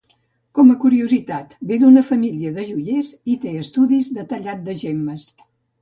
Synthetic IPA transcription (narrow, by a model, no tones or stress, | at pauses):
kɔməkuɾiuzit̪at̪bed̪unəfəmiliəðəʒuʎezit̪eəst̪uðizd̪ət̪əʎat̪̚d̪əʒeməs